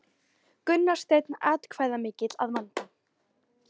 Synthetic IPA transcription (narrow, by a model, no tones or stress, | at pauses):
kʏnːḁst̪ejt̪naːt̪kʰvaːjðamɪːcɪt̪la̰ðmant̪ɪ